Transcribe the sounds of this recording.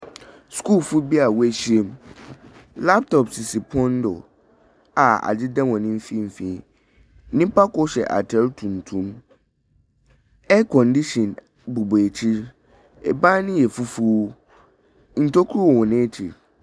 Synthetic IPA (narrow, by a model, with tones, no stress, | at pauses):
sku˦lfu˦bi˦a˨wɛ˦ɕi˦e˦m | la˦p̚tʰɔ˨psi˨si˨pʰɔ̃˦n˦dʊ̰˨ | a˨a̰˨d͡ʑɪ˦dɛ̃˦wɔ̃˨nɪ̃˦m̩˦fĩ˦m̩˨fĩ˨˦ | nɪ̃˦pa˦kʊ˦ɕɛ̰˨ʔa̰˨tʰɛ˦ltʰũ˨n˨tʰũ˦m | ɛ˦kʰɔ̃˨ndi˦ɕɔ̃˨n | bu˨be˨t͡ɕʰi˦ɾ | ɛ̰˨bã˦nɪ̃˦jɛ˨fu˦fu˦ | n̩˨tʰo˦kʰu˦u˦wɔ˨wɔ̃˨nɪ̃˦t͡ɕʰḭ˨ɾ